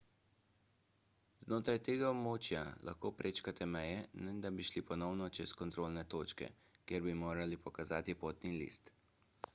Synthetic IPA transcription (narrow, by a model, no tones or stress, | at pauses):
znoːt̪ɾajt̪eːɡaɔbmoːt͡ʃjalʔa̰xkoːpɾʔeːt͡ʃkat̪ʰɛmɛjɛnɛd̪abiʃlipɔnɔwnɔt͡ʃɛskɔnt̪ɾoːlnɛt̪oːt͡ʃkɛ̰ | kjeɾbimoːɾalipɔkazaːt̪ipoːt̪nilḭst̪